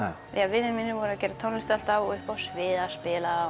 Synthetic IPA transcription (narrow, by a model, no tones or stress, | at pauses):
javɪðɪnminːɪvɔɾacɛːɾat̪ʰownlɪht̪al̥t̪avɔɣʏhpawsvɪːðaspɪːla